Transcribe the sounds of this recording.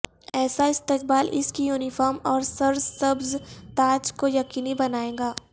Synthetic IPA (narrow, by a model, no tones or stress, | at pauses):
ɛːsaɪst̪ɪq̚baːlʔɪ̰skijuːnɪfɔːɾmɔːɾsɐɾzsɐbzt̪aːd͡ʒkojɐqiːnibɐnaːẽːɡaː